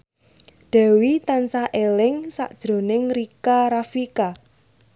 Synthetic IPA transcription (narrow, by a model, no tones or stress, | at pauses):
ɖ̥a̤wit̪ansaʔelɪŋsa̰ʔd̥ʒ̥ɾo̤nɪŋɾikaɾafika